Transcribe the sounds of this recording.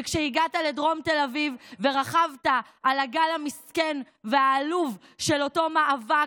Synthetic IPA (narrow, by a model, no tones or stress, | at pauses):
kʃeiɡatale̞dʁo̞mte̞lavivːe̞ʁaχavtaʔːlaɡalhamiske̞n | veaːluv | ʃe̞lo̞to̞maʔava